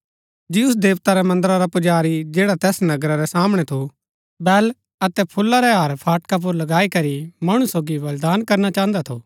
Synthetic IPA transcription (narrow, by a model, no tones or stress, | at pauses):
d͡ʒiʊs̬d̪eːʋt̪aɾɛmɐ̃nd̪əɾaɾapʊd͡ʒaːɾid͡ʒeːɽat̪ɛːsnɐɡɾaɾɛsaːmɽ̃ɛt̪ʰo | bɛːl | ɐt̪ɛpʰʊlːaɾɛɦaɾpʰaːʈkap̬ʊɾlɐɡaːikɐɾimɐɽ̃usoːɡiʋɐld̪aːnkɐɾnat͡ʃãːə̃nd̪at̪ʰo̰ː